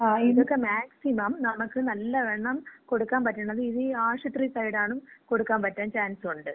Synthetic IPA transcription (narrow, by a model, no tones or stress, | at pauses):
aiðo̞kːe̞maːksimɐmnɐmukːɨnɐlːɐʋeɳːɐmko̞ɽukːaːnpɐtːuɳːɐðɨiðɨaːʂut̪ːriːsɐjiɽaːɳumko̞ɽukːaːmpɐtːaːnt͡ɕaːnsuɳɖɨ